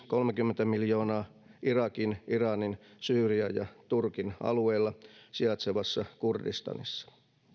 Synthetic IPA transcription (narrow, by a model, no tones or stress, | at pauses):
ko̞lmekymːent̪æmiljo̞ːnɑː | ʔirɑkinirɑninsyːriæjɑt̪urkinɑ̰lueilːɑsiɑt̪seʋɑsːɑkurdḭst̪ɑ̰nḭsːɑ̥